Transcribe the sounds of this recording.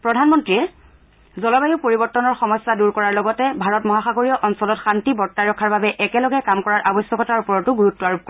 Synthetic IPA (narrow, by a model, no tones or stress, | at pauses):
pɹɔdʱanmɔntɹiɛ | zɔlɔbajʊpoɹibɔɹtːɔnɔɹxɔmɔjsːaduɹkɔɹaɹlɔɡɔtɛbʱaɹɔtmɔɦaxaɡoɹijɔʔɔnsɔlɔtxantibɔɹtːaɹɔkʰːaɹbabɛʔɛkɛlɔɡɛkamkɔɹaɹʔabɔsɔkɔtaɹupɔɹɔtʊɡuɹutːɔaɹup̚kɔ